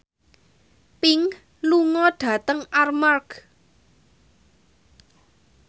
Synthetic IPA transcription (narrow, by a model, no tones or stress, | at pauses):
pɪŋ | luŋɔɖ̥ä̤t̪əŋarmark